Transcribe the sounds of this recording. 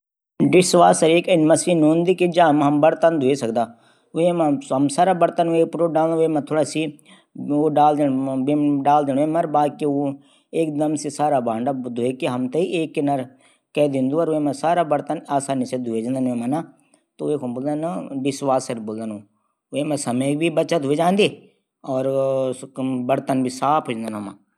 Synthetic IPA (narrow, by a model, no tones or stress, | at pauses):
ɖɪswaːsəɾeːkənmɐsinõːnd̪ikid͡ʒamɦɐmbɐɾt̪ənd̪ʱuesɐk̚d̪aː | ʊemãɐmsaːɾaːbəɾt̪ənũeːk̚pɾoːɖaːlemãt̪ʰoːɽasi | oːɖaːld̪eɽbeɖaːld̪eːñːemɐɾbaːd̪̚keo | eːk̚d̪ɐmsisaːɾaːbãːɳɖad̪ʱoːekiɦɐmt̪eiʔeːkːenəɾ | kɛd̪ĩnd̪uɔɾoemẽsaːɾabɐɾt̪ənaːsaːnised̪ʱued͡ʒnd̪anemana | t̪oekomboːld̪anaʋɪswaːsɐɾboːld̪anõː | emẽsɐmək̚bʱibɐtːʃad̪ʱued͡ʒãːnd̪e | ɔːɾ | bɐɾt̪ənbʱisaːpʰɦoːd͡ʒ̃nd̪anoma̰